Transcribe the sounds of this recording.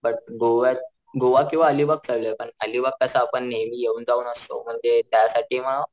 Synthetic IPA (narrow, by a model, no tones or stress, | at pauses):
bəʈ̚ɡoʋat | ɡoʋakĩw̃ʋaəlibək̚t͡səɭləepəɳəlibəkːəsaːpəɳːeʋiːjeuːnd͡zauːnəst̪o̰m̤əɳd͡zet̪jasaʈʰiːməɭ